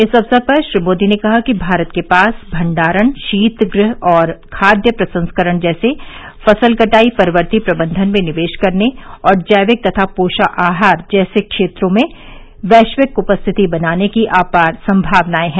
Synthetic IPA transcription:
ɪsɐbsəpɐɾʃɾɪmoːd̪inekɐɦakibʱaːɾət̪kepaːsbʱɐ̃ɳɖaːɾəɳ̃ʃiːt̪ɡɾɪɦɔːɾkʰaːd̪jəpɾɐsə̃nskəɾəɳ̃d͡ʒɛːse | fɐsəlkɐʈaːipɐɾʋəɾt̪ipɾɐbə̃nd̪ʱənmẽnɪʋeːʃkɐɾneɔːɾd͡ʒɐːjʋɪk̚t̪ɐt̪ʰapoːʃaʔaːɦaːɾd͡ʒɛːsekʃeːt̪ɾõmẽ | ʋɛːʃʋɪkʊpəst̪ʰɪt̪ibɐnaːnekiʔaːpasɐ̃mbʱaːʋnaːeɦɛ̃ː

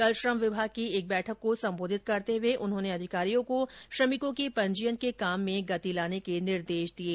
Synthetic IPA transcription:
kɐlʃɾəmʋɪbʱaːɡ̚kieːk̚bɛːʈʰəkːosɐ̃mboːd̪ʱɪt̪̚kɐɾt̪eʋeʔʊnɦõːneɐd̪ʱɪkaːɾijõkoʃɾɐmɪkõkepɐ̃ɲd͡ʒijənkekaːmːẽɡɐt̪ilaːnekenɪɾd̪eːʃd̪ieː

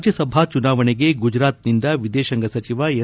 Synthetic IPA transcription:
d͡ʒjɐsɐbʱat͡ʃunaːʋɐɳeɡe̞ɡud͡ʒɾaːt̪nind̪ɐʋid̪eːʃɐŋɡɐsɐt͡ʃiʋɐ

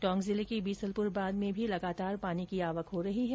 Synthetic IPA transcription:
ʈɔ̃ːŋɡzɪlekibiːsəlpʊɾbaːd̪mẽbʱilɐɡaːt̪aːɾpaːnikiaːʋəkɦoɾɐɦiɦɛː

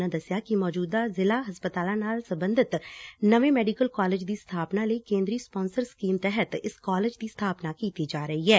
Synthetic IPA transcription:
nãːd̪əsɪjaːkɪmɔːd͡ʒuːd̪aːzɪlaːɦəspət̪aːlãːnaːlsəmbənd̪ɪt̪nəʋẽːmɛːɖikəlkɔːlɪːd͡ʒd̪iːst̪ʰaːpnaːləiːkẽːnd̪ɾiːspoːnsəɾskiːmt̪ɛɦət̪ɪskɔːlɪːd͡ʒd̪iːst̪ʰaːpnaːkiːt̪iːd͡ʒaːɾəiːɦɛː

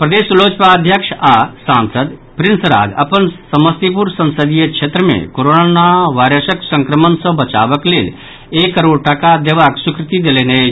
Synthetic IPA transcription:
pɾɐd̪eːsloːt͡ʃpad̪ʱjəkʂasaːnsəd̪pɾɪnsɾa̰ːd͡ʒɐ̰pənsɐməst̪ip̬uɾsɐ̃nsəd̪ijəkʂʰet̪ɾəmḛ̃koɾonanaʋaːɾəsəksə̃ŋkɾəmənsɔbɐt͡ʃa̰ːʋəkleːl | ekːəɾoːɽʈɐkad̪eʋaksukɾɪt̪id̪elene

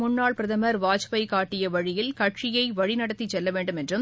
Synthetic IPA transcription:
mʊnːaːɭpɪɾɐðɐmɐɾʋaːt͡ʃpɐɪkaːʈːɪjɐʋɐɻɪjɪlkɐʈʂɪjɐɪʋɐɻɪnɐɽɐt̪ːit͡ʃːɛlːɐʋeːɳɖɯmɛndrɯm

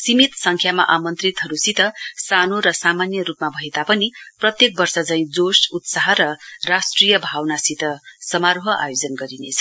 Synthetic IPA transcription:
simit̪sʌŋkʰjama̰ʔamʌnt̪rit̪ɦʌɾusit̪ʌsanoɾʌsamanjʌɾupmabʱʌɦet̪apʌniprʌt̪jek̚bʌrsʌd͡zʌĩd͡zosut̪saɦʌɾʌrasʈrijʌbʱawnasit̪ʌsʌmaɾoɦʌʔa̰jod͡zʌnɡʌɾinḛt͡sʰʌ

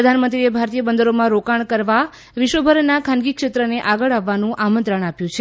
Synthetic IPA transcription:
əd̪ʱanmənt̪ɾiebʱaɾt̪ijəbənd̪əɾomãɾokaɳkəɾʋa | ʋɪʃʋəbʱəɾnakʰãnɡikʃet̪ɾəneʔaɡəɭaʋːanũʔamənt̪ɾəɳapjũt͡ʃʰe

